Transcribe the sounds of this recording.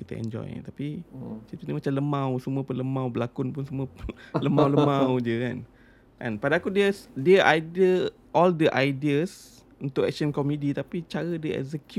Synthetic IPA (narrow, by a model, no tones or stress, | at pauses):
kit̪ə̰ɛ̰nd͡ʒɔ̰j̰t̪apisit̪inəmat͡ʃamləmãwsuməpələmãwbəlakʊnpʊnsumələmawləmãwd͡ʒəka̰n | ʔã̰npadaːkudiədiəʔajdə | ʔɔldəʔajdiəs | unt̪ʊkɛk̚sənkomidit̪apit͡ʃaɾədəɛ̰ksək